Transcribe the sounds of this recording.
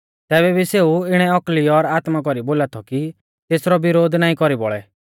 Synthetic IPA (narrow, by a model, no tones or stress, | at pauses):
t̪ɛːβɛbiseːuɪɽ̃ɛɔkliɔɾaːt̪mak̬ɔɾiboːlat̪ʰɔki | t̪eːsɾɔbɪɾoːd̪naːĩkɔɾibɔ̰ɭɛ